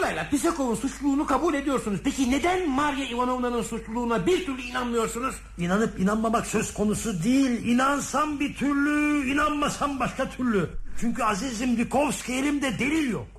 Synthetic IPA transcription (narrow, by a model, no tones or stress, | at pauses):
olˠajlˠaɾpis̬ekovunsut͡ʃlˠuːnukʰabuːlʲe̞d̪ijo̞ɾsunuzpʰecine̞d̪ænmaɾjaivano̞mlˠanɯnsut͡ʃlˠulˠuːnabiɾt̪ʰyɾlʲyinanmɯjo̞ɾsunuz̥ | inanɯpinanmamaksø̞zkʰo̞nusud̪ijilʲinansanbit̪ʰyɾlʲyinanmasanbaʃkat̪ʰyɾlʲyt͡ʃʰyɲcyazizimlikʰovskelʲimd̪ɛd̪e̞lʲilʲjo̰k̚